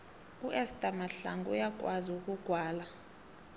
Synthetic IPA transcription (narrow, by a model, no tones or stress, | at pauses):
uʔɛstʼamaɬa̰ŋɡṵjak̬ʼwaziukʼuɡ̥ʱwaːla